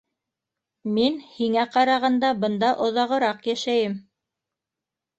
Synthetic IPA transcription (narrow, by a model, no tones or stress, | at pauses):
minhiŋæqɑɾɑʁɑnd̪ɑbɤ̆nd̪ɑʔŏðɑʁɤ̆ɾɑqjæʃæjɘm